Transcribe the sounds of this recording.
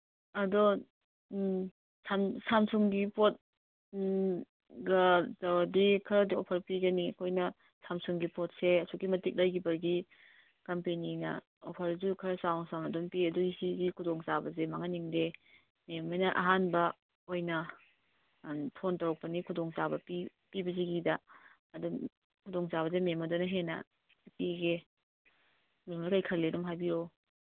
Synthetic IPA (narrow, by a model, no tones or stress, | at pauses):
ɐdɔ | samsamsuŋɡipot̚ | ɡɐtawdikʰɐɾɐdiopʰɐɾpiɡɐniɐkʰojnɐ | samsuŋɡipɔt̚seɐsʰukimɐtik̚lajɡibɐɾɡi | kɐmpeninɐ̰ | ɔpʰɐɾzukʰɐɾɐsawŋsawnɐdɔmpiɐdɔisiɡikʰudɔŋzabɐzemaŋaniŋde | memejnɐʔa̰ɦanbɐ | ojnɐ | pʰontɐwɐk̚pɐnikʰudɔŋsabɐpi | pibɐziɡidɐ | ɐdum | kʰudɔŋzaβɐzememɐdonɐɦenɐ̰ | piɡe | memnɐkajkʰɐlːedɔmɦajbiɾo